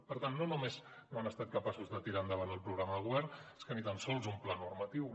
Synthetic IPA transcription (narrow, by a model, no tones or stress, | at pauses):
pəɾt̪anːonumeznoanəst̪at̪̚kəpasuzd̪ət̪iɾaənd̪əβanəlˠpɾuɣɾaməɣuβɛre̥skənit̪ansɔlˠzumplanuɾmət̪iw